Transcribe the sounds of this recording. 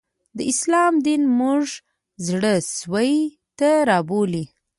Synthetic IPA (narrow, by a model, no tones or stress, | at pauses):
d̪əɪslɑmd̪inmuʐ | zɽəswəj | t̪aɾɑboli